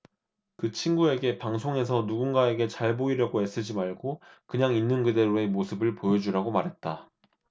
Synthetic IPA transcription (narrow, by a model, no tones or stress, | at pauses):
kɯt͡ɕʰinɡue̞ɡe̞paŋsʰoŋe̞sʰʌnuɡunɡae̞ɡe̞t͡ɕaɭboiɾjʌɡoe̞s͈ɯd͡ʑimaɭɡokɯɲaŋinːɯnkɯde̞ɾoe̞mosʰɯbɯɭpojʌd͡ʑuɾaɡomaɾɦe̞t̚t͈a